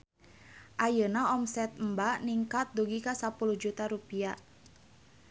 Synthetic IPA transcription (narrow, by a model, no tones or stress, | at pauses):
ʔajənaɔmsɛt̪̚mbaʔniŋkat̪̚d̪uɡikasapuluhd͡ʒut̪aɾupiaʔ